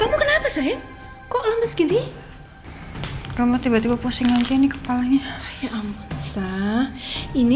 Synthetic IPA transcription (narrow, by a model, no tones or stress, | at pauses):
kamukənapasaja | kɔʔləməsɡini | kamut̪ibat̪ibapusɪŋaɲd͡ʒainikə̥palaɲajaʔamasahini